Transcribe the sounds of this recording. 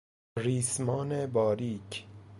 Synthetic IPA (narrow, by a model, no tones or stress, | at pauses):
riːsmɒːnebɒːɾiːcʰ